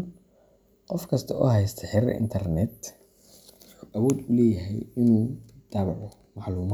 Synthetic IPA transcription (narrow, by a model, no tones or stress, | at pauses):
qɔfkʰɐst̪ʰɐʔɔ̰ɦɛjst̪ʰɐħɪɾʔɪ̰nt̪ʰɐrnɛd̪ | kʰʊʔɐwɔːd̪ʊlɛːjɦɛ̰jɪnuːd̪̥aːβɑʕɔ | mɑħluːma